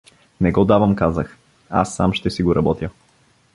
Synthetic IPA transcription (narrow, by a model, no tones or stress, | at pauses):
nɛɡɔd̪avəmkazəx | a̰sːamʃt̪ɛsiɡoɾɐbɔt̪jə